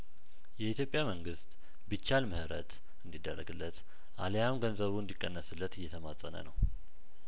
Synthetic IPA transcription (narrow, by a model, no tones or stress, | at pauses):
jɛit̪jo̞pʼjaməŋɡɨst̪ | bɨt͡ʃːalmɨhɨɾə̰t̪ | ɨnd̪id̪ːərːəɡɨlːət̪ | ʔalejamɡənzəβuɨnd̪ikʼːənːəsɨlːət̪ɨjːɛt̪ʰəmasʼənə̰nəw